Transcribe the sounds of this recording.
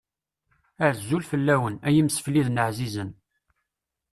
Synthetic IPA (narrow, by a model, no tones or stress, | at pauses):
əʕzːulfəlːæwənæjəmsfliðnəʕzizən